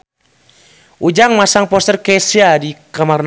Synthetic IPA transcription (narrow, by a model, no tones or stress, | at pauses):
ʔud͡ʒaŋmasaŋpɔst̪ərkɛsiadikamarn